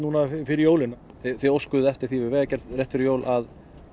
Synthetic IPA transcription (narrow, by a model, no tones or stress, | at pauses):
nuːnafɪɾɪjoːwlɪna | θɪθɛowskʏðʏɛft̪ɪɾ̥θivɪɾvɛːɣacɛɾt̪rjɛht̪fɪɾɪjoːwlʔað